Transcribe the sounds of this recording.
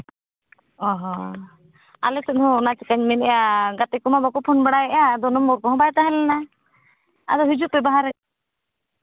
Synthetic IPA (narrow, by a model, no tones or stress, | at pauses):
ɔɦɔ | a̰lɛsɔt̪ɦɔ̃nat͡ʃikaɲmɛnɛjaɡat̪ɛkɔmabɔkɔpʰɔnbaɽajɛʔad̪ɔnɔmːɔɾkɔɦɔ̃bajt̪aɦɛlɛna | a̰d̪ɔɦid͡ʒuʔ̚bɛbaɦaɾɛ